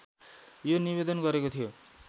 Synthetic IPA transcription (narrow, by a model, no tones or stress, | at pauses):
jonibed̪ʌnɡʌɾekot̪ʰijo